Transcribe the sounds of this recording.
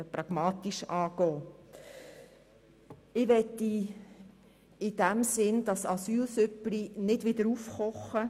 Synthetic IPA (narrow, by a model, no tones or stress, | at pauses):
pɾɑɡ̥mɑːt̪iʃɑːɡ̥ɔː | ɪʋɛtːi | ɪd̥æmsɪnd̥ɑsɑsyːlsʏplinɪdvʋɪd̥əɾufχɔχə